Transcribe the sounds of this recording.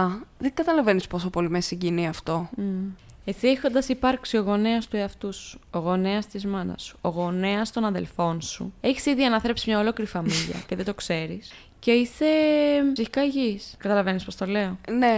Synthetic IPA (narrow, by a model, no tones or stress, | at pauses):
ɐðeŋɡɐt̪ɐlɐve̞nispo̞sopo̞limesiɲɟiniɐft̪o̞ | e̞siexo̞nd̪ɐsipɐɾksio̞ɣo̞neɐst̪ueɐft̪usu̥oɣo̞neɐst̪izmɐnɐ̰su̥oɣo̞neɐst̪o̞nɐðe̞̰lfo̞nsṵe̞çi̥siðiɐnɐθɾepsimɲɐo̞lo̞kiɾifɐmiʝɐ̰ceðed̪o̞kse̞ɾis | ce̞ise̞siçi̥kɐiʝiskɐt̪ɐlɐve̞nispo̞st̪o̞le̞o̞ne̞